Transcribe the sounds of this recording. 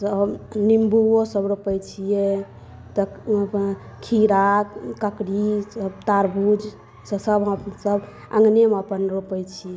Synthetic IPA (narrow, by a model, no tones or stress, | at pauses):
səbnimbuosəbɾopəjt͡ʃʰijɛ | t̪əpən | kʰiɾakkəkɽisəbt̪aɾbʱud͡ʒ | səsəbɦəsəb | ə̰̃ŋɡneməpənɾupəjt͡ʃʰijɛ